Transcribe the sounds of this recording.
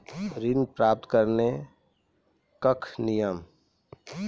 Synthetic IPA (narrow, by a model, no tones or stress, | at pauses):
ɾinpɾap̚t̪kəɾne | kəkʰnijəm